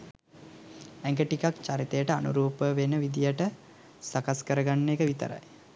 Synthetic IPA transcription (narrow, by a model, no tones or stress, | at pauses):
æŋɡəʈikakt͡ʃaɾit̪əjəʈəanṵɾuːpəʋenəʋid̪ijəʈə | sakaskəɾəɡanːekəʋit̪ə̰ɾa̰j